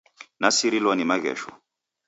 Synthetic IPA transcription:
nasiɾilwanimaɣɛ̰ʃɔ̰

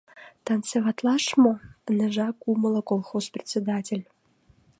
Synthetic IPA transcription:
t̪ɑnsevɑt̪lˠɑʂmonɘ̆ʐɑkumə̆lˠə̆kolˠxosprʲɪt̪t͡sʲed̪atʲelʲ

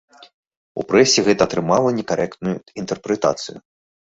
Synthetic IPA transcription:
ṵpɾɛsʲɛɣɛt̪ɐːt̪ɾɨmalˠɐnʲɛkaɾʔɛkt̪̚nujuint̪ɛrpɾɛt̪a̰t̪sɨju

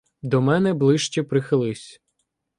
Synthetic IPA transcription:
d̪ɔmɛnɛblˠɪʃt͡ʃɛpɾɪxɪlˠɪsʲ

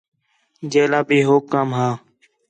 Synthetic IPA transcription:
d͡ʒeːlaːbʱiːɦoːkːaːmɦaː

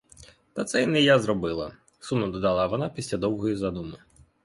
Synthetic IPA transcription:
t̪ɐt̪sɛinɛjazɾɔbɪlˠɐ̰ | sumnɔd̪ɔd̪ɑlˠɑʋɔnɑpʲisʲlʲad̪ɔwɦɔjizad̪unʊ

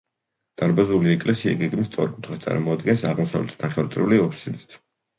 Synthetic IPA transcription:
d̪̥aɾbazuliɛkʼlɛsiaɡɛɡmist̪sʼɔ̰ɾikʼut̪ʰχast̪sʼa̰ɾmɔad̪ɡɛnsaʁmɔsa̰vlɛ̰t̪ʰd̪aχɛɾt̪ʼɾɛliɔpʰi̥sid̪it̪ʰ

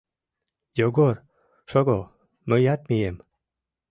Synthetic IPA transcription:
joɡoɾ | ʃoɡo | məjat̪̚mijem

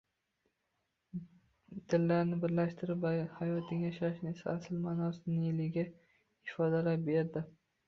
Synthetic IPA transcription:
d̪̥ɪlːaɾnɪbɪɾlaʃt̪ʰɪɾɪpvahajɒt̪ʰɪŋjaʃaʃnɪesa̰aslmaːnɒsɪnɪɪlɪɡʲa | ɪfɒd̪alapbe̞ɾd̪ɪ

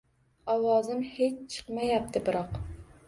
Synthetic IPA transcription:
ɑwɑːzɨmhet͡ʃt͡ʃʰə̥qmɛjɛp̚t̪ʰɨbɨɾɑq

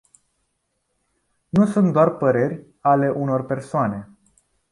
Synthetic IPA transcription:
nusunt̪d̪oarpəɾe̞rʲ | ale̞ʔuno̞rpe̞rsoane̞

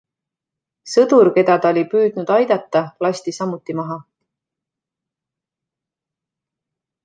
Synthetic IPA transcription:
sɤd̪̥uɾke̞d̪̥ɑd̪ɑolʲipyːd̪̥nud̪̥ɑjd̪̥ɑt̪ˑːɑlɑɕst̪isɑmːut̪ːˑimɑɦɑ

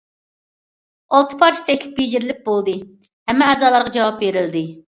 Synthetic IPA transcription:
ɑlˠt̪ʰɨ̥pʰɑɾt͡ʃʰi̥t̪ʰɛkʲlɪp̚ʲbed͡ʒɪɾlɪk̚ʲbolˠd̪ɨ | hɛmːɛɛzɑːlˠɑɾʁɑd͡ʒɑwɑp̚beɾɪld̪ɪ

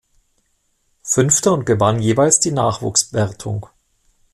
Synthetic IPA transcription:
fʏnftəʊnt̚ɡ̥əvanjeːvaɪlsd̥iːnaːχv̥ṵːksbvɛɐtʰʊ̰ŋ

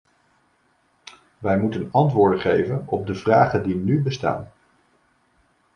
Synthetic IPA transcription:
ʋɛjmutənɑntʋʊːɹdəχejvənɔb̚dəvraːχəndinybəsta̰ːn

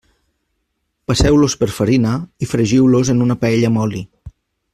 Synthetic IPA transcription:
pasɛwlospəɾfəɾinaifɾəʒiwlozenunəpaɛʎəmɔli

